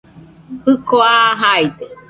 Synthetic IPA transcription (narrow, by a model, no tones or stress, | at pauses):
hɨkoaɦajd̪e